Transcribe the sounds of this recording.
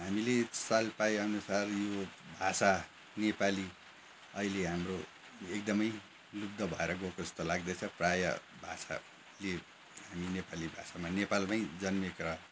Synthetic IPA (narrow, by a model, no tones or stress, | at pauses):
ɦamilesalpajʌnusarjobʱasa | nepali | ʌileɦamro | ek̚d̪ʌmʌj | lud̪ʱːʌbʱʌeɾʌɡokoʌst̪ʌlaɡd̪ʌt͡sʰʌ̃prajʌ̰bʱasa̰ | le | ɦaminepalibʱa̰samanepalpaj̃d͡zʌnmekrʌ